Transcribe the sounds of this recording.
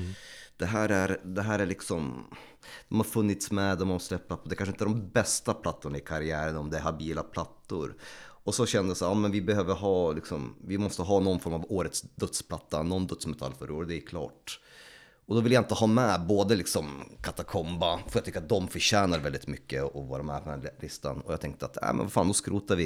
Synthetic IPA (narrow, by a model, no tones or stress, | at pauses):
d̪̥ɛɦæːɾæɾd̪ɛɦæːɾæɭɪksɔm | d̪̥ɔmhaɾfɵnːɪt̪smɛd̪ɔmaslɛpːat̪̚pʰɔd̪ɛkʰanʂəɪnt̪əæɾɖɔmbɛst̪apʰlat̪ːʊɳaɪkʰaɾɪæːɾənɔmd̪ɛæɾhabiːlapʰlat̪ːʊ̰ɾɔsɔɕɛnd̪əjsæːɾɑːmɛnvɪbɛhøːvəɾɦɑːlɪksɔmvɪmɔst̪əɦɑːnɔnfɔɾmavoːɾət̪sd̪ɵt̪spʰlat̪ːanɔnd̪ɵt̪smɛt̪ʰa̰lːfœ̰ɾoːd̪ɛɪkʰlɑ̰ːʈ | ɔd̪ɔvɪljaɪnt̪əhɑːmɛboːd̪əlɪksɔmkʰat̪akʰɔmbafœɾat̪ʰʏkːat̪̚d̪ɔmfœɾɕæːnaɾvɛld̪ɪt̪mʏkːəɔvɑːɾamɛ̰pʰɔd̪ɛnlɪst̪a̰nɔjɑ̰t̪ʰɛŋk̚t̪əat̪næ̰ːmɛ̰nvafaːnd̪ɔskɾuːt̪aɾvɪ